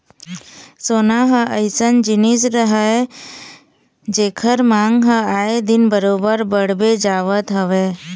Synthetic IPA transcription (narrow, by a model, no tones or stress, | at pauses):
soːnaɦəʔəɪsənd͡ʒɪnisɾəɦəe | d͡ʒeːkʰəɾmãːŋɡɦəaːed̪ɪnbəɾoːbəɾbəɽ̤bed͡ʒaːʋət̪ɦəʋeː